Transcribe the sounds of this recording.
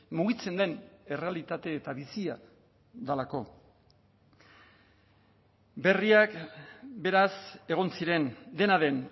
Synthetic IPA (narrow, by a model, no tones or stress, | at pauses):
muɣit͡se̞nd̪e̞ne̞re̞alit̪at̪e̞ːt̪aβisia | ðalako̞ | be̞riakbe̞ɾase̞ɣ̞o̞nsiɾe̞nd̪e̞naðe̞n